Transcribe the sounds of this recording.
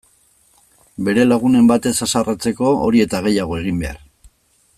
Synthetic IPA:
be̞ɾe̞laɣ̞une̞mbat̪e̞sasarat͡se̞ko̞o̰ɾie̞t̪aɣ̞e̞jaɣ̞o̞e̞ɣ̞imbe̞a̰ɾ

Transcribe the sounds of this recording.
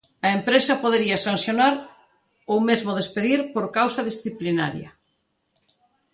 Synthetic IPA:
ɐempɾesɐpoðeɾiasansjonaɾ | owmezmoð̞espeðiɾpoɾkawsɐðisθiplina̰ɾjɐ̰

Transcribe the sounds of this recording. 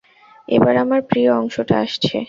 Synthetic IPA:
ḛbaɾamaɾpɾioɔŋʃoʈa̰aʃt͡ɕʰḛ

